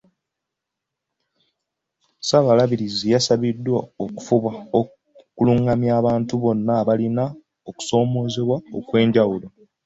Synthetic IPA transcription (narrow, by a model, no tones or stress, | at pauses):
saβalaβiɾizijasaβidːwaoku̥fuβwao | kuluŋɡamjaːβaːntuβo̞nːaːβalina | oku̥so̞ːmo̞ːzeβwao̰kwe̞ːɲɟawulo̞